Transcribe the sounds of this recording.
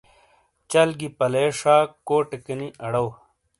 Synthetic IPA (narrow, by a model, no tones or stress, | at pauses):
t͡ɕɐlɡipɐleːʂaːkoːʈekɐniʔɐɽɐw